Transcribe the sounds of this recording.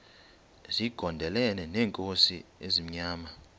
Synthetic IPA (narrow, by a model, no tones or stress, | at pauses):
ziɡ̥ʱɔndʱɛlɛnɛnɛːŋkʼosiezim̩ɲaːma